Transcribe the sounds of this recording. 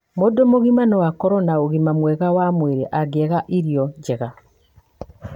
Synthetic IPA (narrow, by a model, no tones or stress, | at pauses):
modomoɣimanɔwakɔɾɔnaoɣimamwɛɣawamweɾeʔaɡɛɣaʔiɾiɔɲɟɛɣa